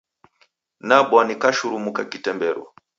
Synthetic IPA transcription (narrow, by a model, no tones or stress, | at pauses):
naɓwanikaʃuɾumukakitɛmbɛɾwa̰